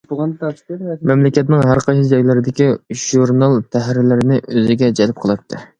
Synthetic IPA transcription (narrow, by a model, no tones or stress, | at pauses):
bɑnmɛmlɪkʲɛt̪nɪŋɦæɾqʰɑjsɨd͡ʒɑjlˠɨɾɪd̪ɪkʲiʒ̥uɾnɑlˠt̪ʰæɦɾɪlɪɾɪnɪʔøzɪɡʲɛd͡ʒɛlp̚qʰəlˠɨp̚t̪ʰːɨ